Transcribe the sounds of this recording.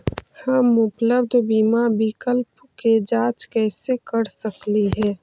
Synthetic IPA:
həmʊpləbd̪ʱbiːmabɪkəlp | ked͡ʒaːt͡ʃkɛːsekəɾsəkliɦɛː

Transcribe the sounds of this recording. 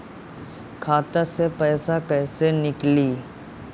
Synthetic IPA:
kʰaːt̪əɾsepɛːsakɛːsenɪkliː

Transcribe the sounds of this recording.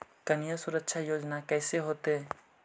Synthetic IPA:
kənijasʊɾəkʃʰajoːd͡ʒnakɛːseɦoːt̪e

